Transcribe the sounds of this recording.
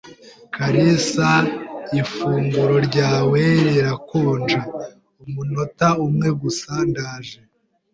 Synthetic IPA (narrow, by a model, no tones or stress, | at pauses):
kaɾisaifuːŋɡuɾo̞ɾɟaːweɾeɾakuːnd͡ʒa | umuno̞taumŋe̞ɡusaːndaːʒe